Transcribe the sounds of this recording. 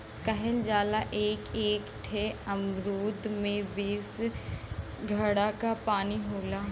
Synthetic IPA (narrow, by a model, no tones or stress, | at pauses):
kɐɦənd͡ʒaːlaʔeːkeːkʈʰeɐmɾuːd̪mẽbeːs | ɡʱɐɽakapaːniɦoːlaː